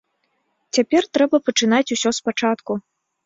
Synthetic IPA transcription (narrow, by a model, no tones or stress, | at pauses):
t͡sʲapʲɛrt̪ɾɛbɐpɐt͡ʂɨnat͡sʲusʲɔspat͡ʂat̪ku